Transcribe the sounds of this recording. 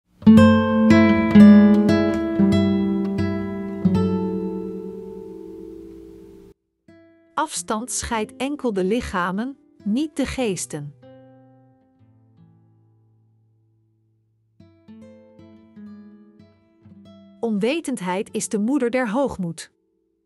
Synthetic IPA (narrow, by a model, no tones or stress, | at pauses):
ʔɑfstɑntsχɛjtɛŋkəlˠdəlɪχaːmənː | it̚dəχejstən | ɔnʋejtəntɦɛjtɪzdəmudəɹdɛɹɦowχmut